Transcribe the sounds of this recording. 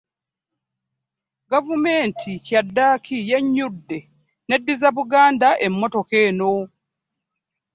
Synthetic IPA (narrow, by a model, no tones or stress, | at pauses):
ɡavume̞ːntʰicadːaːkʰije̞ɲːudːe̞ | ne̞dːizaβuɡaːndaʔe̞mːo̞to̞keːno̞